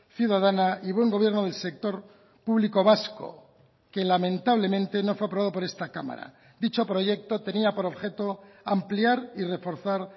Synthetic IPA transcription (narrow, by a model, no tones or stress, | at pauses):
θjuðað̞anaiβwe̞ŋɡo̞β̞je̞ɾnoðe̞lsek̚t̪o̞ɾ | puβliko̞β̞asko̰ | ke̞lamẽnt̪aβle̞mẽ̞nt̪e̞no̞fweapɾoβaðo̞po̞ɾe̞st̪akama̰ɾa̰ | d̪it͡ʃo̞pɾo̞ʝe̞k̚t̪o̞t̪e̞niapo̞ɾo̞βxe̞t̪o̞ampliaɾire̞fo̞ɾθaɾ